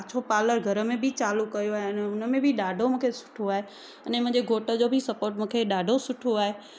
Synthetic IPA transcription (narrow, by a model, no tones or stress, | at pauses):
t͡ɕʰopaːləɾɡʱɐɾəmẽbʱit͡ɕaːlukɐjoaːɦeɐnɛʊnəmẽbʱiɗaːɖʱomʊ̃ːkʰesʊ̥ʈʰoaːɦe | ɐnemɐ̃ɦd͡ʑeɡʱoːʈəd͡ʑobʱisɐpoːɾʈmũːkʰeɗaːɖʱosʊʈʰoaːɦe